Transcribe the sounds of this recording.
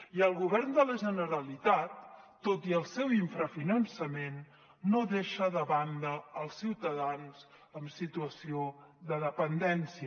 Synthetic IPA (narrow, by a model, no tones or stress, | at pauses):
iəlˠɣuβɛrnd̪ələʒənəɾəlit̪at̪ː | ot̪iəlˠsɛwiɱfɾəfinənsəmenː | oðeʃəðəβand̪əəlˠsːiwt̪əðanz̥ | əmsit̪uəsioðəðəpənd̪ɛnsiə